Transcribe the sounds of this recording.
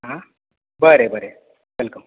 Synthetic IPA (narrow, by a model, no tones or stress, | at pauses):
ɦã | bəɾebʱəɾe | ʋɪlkəm